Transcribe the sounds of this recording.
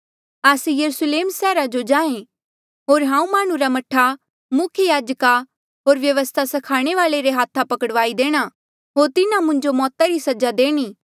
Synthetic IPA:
aːsejɐɾusleːmsɛːɾad͡ʒod͡ʒãːẽ | ɦoːɾɦãːũmaːɽ̃ũɾamɐʈʰːa | mʊkʰjəjaːd͡ʒka | ɦoːɾʋjɐʋəst̪ʰasɐkʰaːɽ̃eʋaːleɾeɦaːt̪ʰːapɐkəɽʋaːid̪eːɽ̃a | ɦoːɾt̪ɪnamʊ̃ɲd͡ʒomɔːt̪aɾisɐd͡ʒad̪eːɽ̃iː

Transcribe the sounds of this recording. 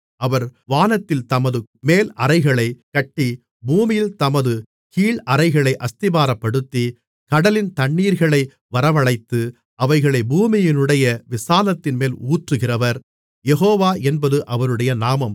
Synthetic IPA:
ɐʋɐɾʋaːnɐt̪ːɪlt̪ɐmɐðɯmeːlɐɾɐɪɣɐɭɐɪkɐʈːi | buːmɪjɪlt̪ɐmɐðɯ | kiːɭɐɾɐɪɣɐɭɐɪʔɐst̪ɪbaːɾɐpːɐɽɯt̪ːi | kɐɽɐlɪnt̪ɐɳːiːɾɣɐɭɐɪ | ʋɐɾɐʋɐɭɐɪt̪ːɯ | ɐʋɐɪɣɐɭɐɪbuːmɪjɪnɯɽɐjɐʋɪsaːnɐt̪ːɪnmeːluːʈrɯɣɪrɐʋɐɾ | jɛɦoːʋaːʔɛnbɐðɯʔɐʋɐɾɯɽɐjɐnaːmɐm

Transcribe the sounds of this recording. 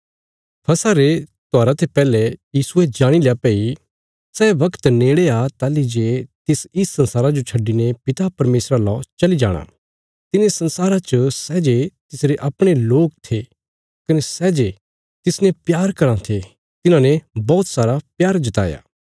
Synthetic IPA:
pʰɐsaɾet̪oaːɾat̪ʰepɛːlɛjiːsʊed͡ʒaːɽ̃ileapɛːi | sɛːʋɐkt̪neːɽeat̪aːlid͡ʒet̪ɪsɪsːɐ̃nsaːɾad͡ʒot͡ʃʰɐɖːinepɪt̪apɐɾmeːsɾalɔ̰t͡ʃɐlid͡ʒa̰ːɽ̃a̰ | t̪ɪnesɐ̃nsaːɾat͡ʃəsɛːd͡ʒet̪ɪsɾeʔɐpɽ̃eloːk̚t̪ʰe | kɐnesɛːd͡ʒe | t̪ɪsnɛpjaːɾkɐɾãt̪ʰe | t̪ɪnãnebɔːt̪saːɾapjaːɾd͡ʒɪt̪a̰ːja̰ː

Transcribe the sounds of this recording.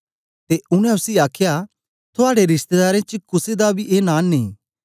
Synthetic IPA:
t̪eʊɽ̃ɛ̃ʊsiːaːkʰja | t̪ʰʊaːɽeɾɪst̪ed̪aːɾẽt͡ʃkʊsed̪abʱiʔeːnãːnːḭ̃ː

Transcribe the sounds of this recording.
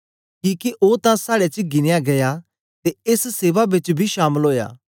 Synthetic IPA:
kĩːkeʔoːt̪ãsaːɽet͡ʃɡɪnejaɡɐja | t̪eesseːʋabɪt͡ʃbʱiʃaːməlɦoːja̰ː

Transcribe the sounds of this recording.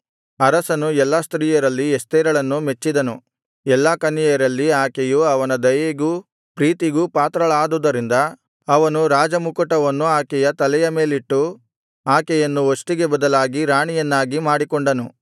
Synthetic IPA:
ɐɾɐsɐnuɛlːast̪ɾiːjɐɾɐlːiɛst̪ɛːɾɐɭɐnːumet͡ʃːid̪ɐnu | ɛlːakɐnːijɐɾɐlːiaːkɛjuɐʋɐnɐd̪ɐjeɡu | pɾiːt̪iɡupaːt̪ɾɐɭaːd̪uːd̪ɐɾind̪ɐ | ɐʋɐnuɾaːd͡ʒɐmukɐʈɐʋɐnːuaːkɛjɐt̪ɐlɛjɐme̞ːliʈːu | aːkɛjɐnːuɦosʈiɡe̞bɐd̪ɐlaːɡiɾaːɳijɐnːaːɡimaːɽikɔɳɖɐnu

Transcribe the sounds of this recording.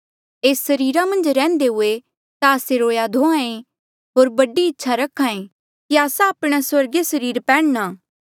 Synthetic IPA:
eːsːɐɾiːɾamɐ̃nd͡ʒɾɛ̃ːnd̪eɦʊe | t̪aːseɾoːjad̪ʱõãẽ | ɦoːɾbɐɖiɪtːʃʰaɾɐkʰaːẽ | kiaːsaːpɽ̃aswɐɾɡesɐɾiːɾpɛːɽnaː

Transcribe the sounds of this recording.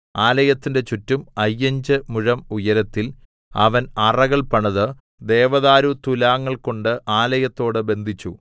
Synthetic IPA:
aːlɐjɐt̪ːinde̞t͡ɕutːumɐjːɐɲd͡ʑɨmuɻɐmujɐɾɐt̪ːil | ɐʋɐnɐrɐɣɐɭpɐɳɐðɨ | d̪e̞ːʋɐðaːɾut̪ulaːŋːɐɭko̞ɳɖɨʔaːlɐjɐt̪ːo̞ːɽɨbe̞nd̪ʱit͡ɕːu

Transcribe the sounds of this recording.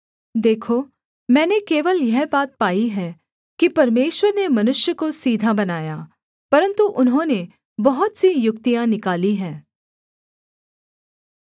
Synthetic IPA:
d̪eːkʰoː | mɛ̃ːnekeːʋəljɛɦbaːt̪̚paːiɦɛː | kipɐɾmeːʃwəɾnemɐnʊʃjəkosiːd̪ʱabɐnaːjaː | pɐɾə̃nt̪uʔʊnɦõne | bɐɦʊt̪sijʊk̚t̪ijãnɪkaːliɦɛ̃ː

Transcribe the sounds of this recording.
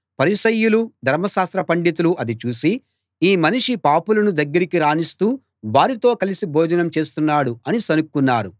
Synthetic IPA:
pɐɾiʃɐjːulud̪ʱɐɾmɐʃaːst̪ɾɐpɐɳɖit̪̬uluʔɐd̪it͡ʃuːsi | iːmɐniʂipaːpulɐnud̪ɐɡːɐɾikiɾaːnist̪uː | ʋaːɾit̪o̞ːkɐlisiboːd͡ʒɐnɐmt͡ʃe̞ːst̪unːaːɽuɐnisɐnukːunːaːɾu

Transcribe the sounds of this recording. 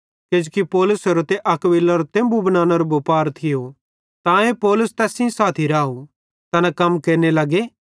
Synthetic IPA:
ked͡ʒokipɔːlʊsɐɾot̪eʔɐkʋɪlːaɾot̪ẽːmbubɐnãːnɐɾobopaːɾt̪ʰɪjo | t̪ãẽpɔːlʊst̪ɛːsĩsaːt̪ʰiɾaːu | t̪ɐnakɐmkeːɾnelɐɡeː

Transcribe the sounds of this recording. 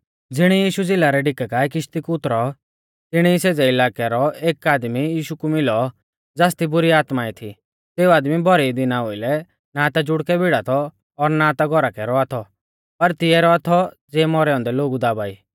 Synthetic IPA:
d͡zɪɽ̃ɛjiːʃud͡zɪːlaɾɛɖɪkakaɛkɪʃt̪ikʊt̪ɾɔ | t̪ɪɽ̃iiseːd͡zɛɪlaːkɛɾɔeːkaːd̪mijiːʃukumɪlɔ | d͡zaːst̪ibʊɾiaːt̪mait̪ʰḭ | teːuaːd̪mibʱɔɾɛid̪ɪnaɦoːɪlɛ | nat̪ad͡ʒʊɽkɛbʱɪɽat̪ʰɔː | ɾnat̪aɡʱɔɾakɛɾɔat̪ʰɔ | pɐɾt̪ɪɛɾɔat̪ʰɔd͡zɛːmɔɾɛɔ̃ːnd̪ɛloːɡud̪aːbaːḭː

